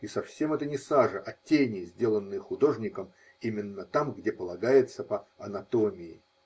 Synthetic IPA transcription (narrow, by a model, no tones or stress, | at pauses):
isɐfsʲe̞mɛt̪ənʲɪsaʐəʔɐtʲːenʲɪzʲdʲe̞lˠənːɨjəxʊd̪o̞ʐnʲɪkəm | imʲɪnːət̪amɡdʲepəlˠɐɡajɪt̪səpəɐnɐt̪o̞mʲɪɪ̰